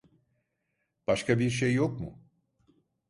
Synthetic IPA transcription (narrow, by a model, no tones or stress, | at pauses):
b̥aʃkʰabiɾʃejːo̞kmʊ̰